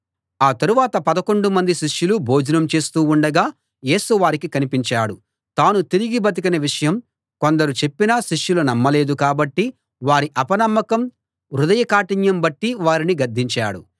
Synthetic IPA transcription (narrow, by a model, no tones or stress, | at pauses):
aːt̪ɐɾuʋaːt̪ɐpɐd̪ɐko̞ɳɖumɐnd̪iʃiʂjulubo̞ːd͡ʒɐnɐmt͡ʃe̞ːst̪uːuɳɖɐɡaː | je̞ːsuʋaːɾikikɐnipiɲt͡ʃaːɽu | t̪aːnut̪iɾiɡibɐt̪̬ikɐnɐʋiʂɐjɐm | ko̞nd̪ɐɾut͡ʃe̞pːinɐʃiʂjulunɐmːɐle̞ːd̪ukaːbɐʈːi | ʋaːɾiʔɐpɐnɐmːɐkɐm | ɾud̪ɐjɐkaːʈiɲjɐmbɐʈːiʋaːɾiniɡɐɾd̪ʱːiɲt͡ʃa̰ːɽu